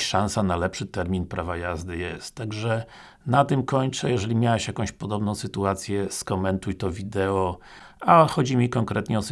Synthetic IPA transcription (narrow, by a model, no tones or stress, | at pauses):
ʂãñsanalɛpʂɘt̪ɛɾmʲinpɾavajazd̪ɘjɛst̪ːaɡʐɛ | nat̪ɘmkɔɲt͡ʂɛjɛʐɛlʲimʲjawɛɕjakɔ̃w̃ɕpɔd̪ɔbnɔ̃w̃sɘt̪uat̪sʲjɛskɔmɛnt̪ujt̪ɔvʲid̪ɛɔ | axɔd͡ʑimʲikɔŋkɾɛt̪ɲɛɔs